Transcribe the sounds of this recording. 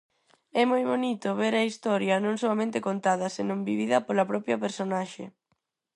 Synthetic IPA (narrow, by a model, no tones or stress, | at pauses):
ɛmojβonit̪ʊβeɾɐist̪ɔɾjɐnõŋsoamẽnt̪ekont̪aðɐsenõŋbiβiðɐpolɐpɾɔpjɐpeɾsonaʃḛ